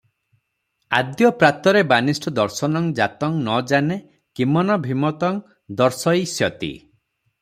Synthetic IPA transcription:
ad̪jɔpɾat̪ɔɾebanisʈʰɔd̪ɔɾsɔnɔŋd͡ʒat̪ɔŋnɔd͡ʒane | kimɔnɔbʱimɔt̪ɔŋ | d̪ɔɾsɔjsjɔt̪ḭ

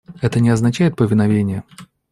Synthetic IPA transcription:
ɛt̪ənʲɪɐznɐt͡ɕæjɪt̪̚pəvʲɪnɐvʲenʲɪjə

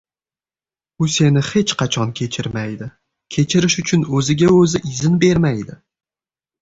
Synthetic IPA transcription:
ʊse̞nɪhe̞t͡ʃqʰɑt͡ʃʰɒnkʲʰe̞t͡ʃʰɪɾmajd̪ɪ | kʲʰe̞t͡ʃʰɪɾɪʃʊt͡ʃʰʊnɵzɪɡʲaɵzɪʔɪzɪnbe̞ɾmajd̪ɪ

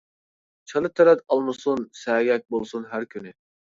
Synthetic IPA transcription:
t͡ʃʰɑlˠɯt̪ʰɛɾɛt̪ɑlˠmusunsɛːɡʲɛk̚ʲbolˠsunɦæɾkʲʰyny

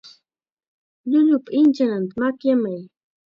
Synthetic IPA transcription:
ʎʊʎʊpaɪnt͡ʃanant̪amakjamaj

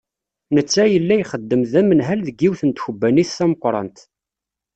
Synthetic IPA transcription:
nət͡sːæjəlːæjχəd̪ːəmðæmənɦælðəɡiwθənt̪çəbːæniθθæməqʷːɾˤɑ̰nt̪

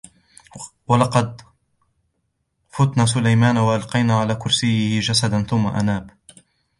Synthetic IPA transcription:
walɑqɑd̪̚ | fʊt̪naːs̬ʊlajmaːnawaʔalqɑjnaːʕalaːkʊɾsɪjːɪhɪd͡ʒasad̪anθʊmːa̰ʔanaːb

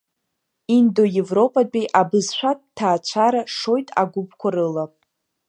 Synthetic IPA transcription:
indo̞je̞vro̞pʼadʼejʔabɨzʃʷᶣattʰːaːt͡ɕʷʰaɾaʂo̞jtʼa̰ɡʷʊp̚ʰkʷʰaɾɨla

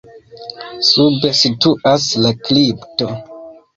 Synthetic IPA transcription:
subesituʔaslaklipto

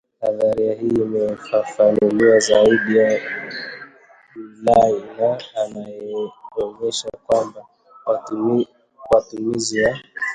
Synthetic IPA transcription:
haðaɾiahiːimɛfafanuliazauɗia | lainaːnajɛwɛɲɛʃakwamba | w | watumiziwa

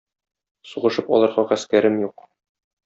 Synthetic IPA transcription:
suʁɤ̆ʃɤpɒ̰lˠɑɾʁɑʁæskæɾɘmjuq

